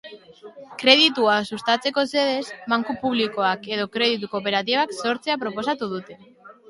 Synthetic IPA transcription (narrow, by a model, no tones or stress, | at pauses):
kɾe̞ðit̪uasust̪at͡se̞ko̞se̞ðe̞smaŋkupuβ̞liko̞ake̞ð̞o̞kɾe̞ðit̪̬uko̞pe̞ɾat̪̬iβakso̞ɾt͡se̞apɾo̞po̞sat̪uð̞ut̪e̞